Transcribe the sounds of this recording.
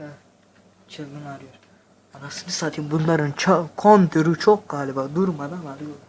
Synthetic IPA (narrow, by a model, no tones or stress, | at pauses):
t͡ʃʰɯlˠɡɯnaɾˠɯjoɾ | anasɯnɯsaːt̪ʰinbunlˠaɾɯnt͡ʃʰakʰont̪ʰuɾut͡ʃʰok̚ɡ̥aːlʲibad̪uɾmad̪analɯjoɾ